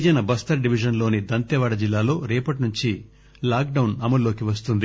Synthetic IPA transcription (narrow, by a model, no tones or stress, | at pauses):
d͡ʒɐnɐbɐst̪ɐɾɖiʋid͡ʒɐnlo̞ːnid̪ɐnt̪ɛʋaːɽɐd͡ʒilːaːlo̞ːɾɛːpɐʈinuɲt͡ʃi | laːk̚ɖɐwnɐmɐlːo̞ːkiʋɐst̪und̪i